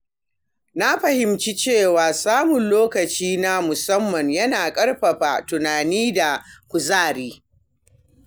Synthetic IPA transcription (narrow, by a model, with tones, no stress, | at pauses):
na˦ɸɐ˨hɪ˨mt͡ʃi˦t͡ʃeː˦˨waː˨saː˦mʊ˨nloː˦kɐ˨t͡ʃiː˦na˦mʊ˨sɐ˦mːɐ˨ɲjɐ˦naː˨kʼɐ˦ɽɸɐ˨ɸaː˨tʊ˨naː˨niː˦da˨kʷʊ˨zaː˦˨ɽiː˦